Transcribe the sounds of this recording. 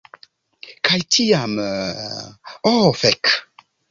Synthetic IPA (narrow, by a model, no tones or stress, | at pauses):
kʰajtʰijamə | ɔfɛk